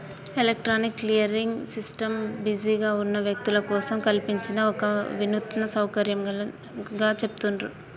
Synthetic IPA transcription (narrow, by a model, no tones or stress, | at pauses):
elek̚ʈɾaːnikːlijɐɾiŋɡsisʈɐmbid͡ʒiːɡaːunːɐʋjɐk̚t̪ulɐkɔːsɐmkɐlpiɲt͡ʃinɐɔkɐʋinut̪ɐnɐsɐwkɐɾjɐm | ɡaːt͡ʃe̞pu̥t̪unɾu